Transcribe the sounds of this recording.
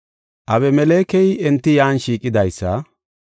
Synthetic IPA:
ʔɐβɛmɛleːkɛjɛnt̪ːɪjaːnʃiːkʼːɪd̪ɐjsːɐ̰

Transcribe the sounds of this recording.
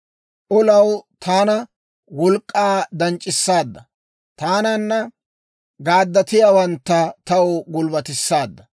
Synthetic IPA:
ʔɔlɐwt̪ʰaːnɐ | wɔlkʼːaːd̪ɐnt͡ʃʼːɪsːaːd̪ːɐ | t̪aːnɐnːɐ | ɡaːd̪ːɐt̪ɪjawɐnt̪ːɐt̪ɐwɡʊlbɐt̪ɪsːaːd̪ːɐ

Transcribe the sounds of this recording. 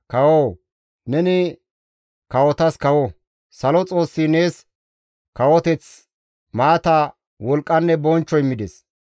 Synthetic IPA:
kɐwoː | nɛnɪ | kɐwɔt̪ɐskɐwɔ | sɐlɔt͡sʼo̞ːsːine̞ːs | kɐwɔt̪ɛt͡s | maːt̪ɐ | wɔlkʼːɐnːɛbɔnt͡ʃːɔjmɪd̪ɛs

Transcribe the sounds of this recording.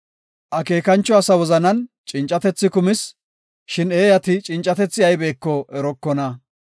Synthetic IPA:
ʔɐke̞ːkɐnt͡ʃːɔɐsɐwɔzɐnɐn | t͡ʃʼɪnt͡ʃʼːɐt̪ɛt͡sːɪkʊmɪs | ʃɪneːjɐt̪ɪt͡ʃʼɪnt͡ʃʼːɐt̪ɛt͡sːɪɐjbe̞ːkːɔʔɛɾɔkːɔnɐ

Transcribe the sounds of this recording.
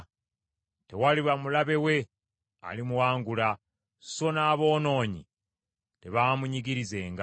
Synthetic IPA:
te̞waliβamulaβe̞we̞ | a̰limuwaːŋɡulḁ | so̞naːβo̞ːno̞ːɲḭ | te̞βaːmuɲiɡiɾize̞ːŋɡ

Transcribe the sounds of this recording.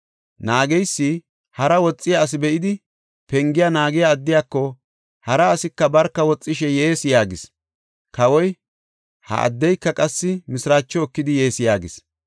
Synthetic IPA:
naːɡɛjsːi | hɐɾɐwɔt͡sʼːɪjaːs̬ɪbɛʔɪd̪ɪ | pɛŋɡɪjanaːɡɪjaːd̪ːɪjaːkːɔ | hɐɾɐːsɪkːɐbɐɾkːɐwɔt͡sʼːɪʃɛjeːsɪjaːɡɪs | kɐwɔj | hɐ̰ʔɐ̰d̪ːɛjkːɐkʼɐsːɪmɪsɾaːt͡ʃːɔɔkːɪd̪ɪje̞ːsjaːɡɪs

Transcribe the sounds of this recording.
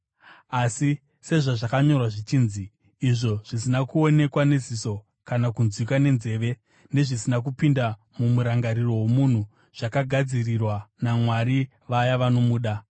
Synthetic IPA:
asi | se̞ʐaʐakaɲo̞rwaʐit͡ʃiːnziː | ʐo̞ʐ̥isinakuo̞ne̞kwane̞ziso̞ | kanakunzwikwane̞nze̞ːʋe̞ | ne̞ʐisinak̬upinda | mumuɾaŋɡaɾiro̞wo̞mun̤u | ʐ̥akaɡʱad͡zirirwanamwaɾi | ʋajaʋano̞muːɗa

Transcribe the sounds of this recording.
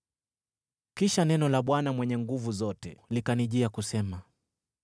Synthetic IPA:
kiʃanɛnɔlaɓwanamwɛɲɛŋɡuvuzɔtɛlikaniʄiakusɛma

